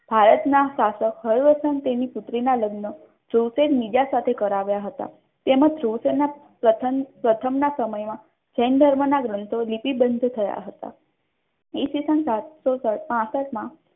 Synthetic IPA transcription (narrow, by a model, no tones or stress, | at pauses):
bʱaɾət̪nasasəkhəɾʋəsənt̪eniput̪ɾinaləɡnə | d̪̥ʰʱɾuwsed̪nid͡ʑasat̪ʰekəɾaʋjaɦət̪a̰ | t̪emad̪ʱɾuwsena | pɾət̪ʰəpɾət̪ʰəmnasəməjmã | t͡ɕɛnd̪ʱəɾmənaɡɾənt̪ʰolipibənd̪ʱt̪ʰəja̰ɦət̪a̰ | isisənsat̪sosəpãsəʈmã